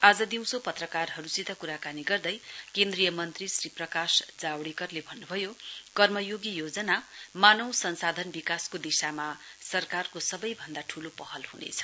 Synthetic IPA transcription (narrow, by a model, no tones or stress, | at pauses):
ad͡zʌd̪iw̃sopʌt̪rʌkarɦʌɾusit̪akuɾakaniɡʌrd̪ʌjkend̪rijʌmʌnt̪risriprʌkasd͡zawɽikʌrlebʱʌnːubʱʌjokʌrmʌjoɡijod͡zʌnamanʌw̃sʌnsad̪ʱʌnbikaskod̪isamasʌrkarkosʌbʌjbʱʌnd̪aʈʰulopʌɦʌlhunḛt͡sʰʌ̥